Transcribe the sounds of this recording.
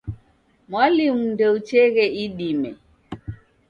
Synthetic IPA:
mwalimundɛut͡ʃɛɣɛiɗimɛ

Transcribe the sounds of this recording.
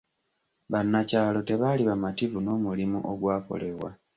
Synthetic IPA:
βanːacaːlo̞te̞βaliβamativuno̞ːmulimṵʔoɡwaːko̞̰le̞βwa̰

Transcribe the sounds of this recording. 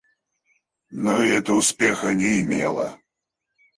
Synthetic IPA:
nɔiɛt̪ɐuspʲɛxɐnʲɛimʲɛ̰lˠɐ̰

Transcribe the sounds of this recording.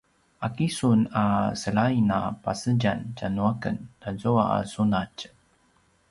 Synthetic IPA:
ʔakisunasəɭainapasəɟancanuakə̰nd̥azuaa̰sunac

